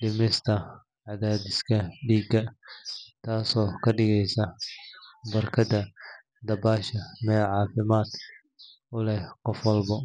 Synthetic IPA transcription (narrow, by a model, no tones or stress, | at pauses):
dɪmɪst̪ʰɐ | ʕɑðaːd̪ɪskʰɐɖiːɡɐ | t̪ʰaːsɔːkʰɐɖɪɣɛjsɐ | bɐrkʰɐd̪ɐ | d̪ɐbaːʃɐmɛːlʕɑːfɪmaːd̪ | ʊlɛhqɔfwɐlbɐ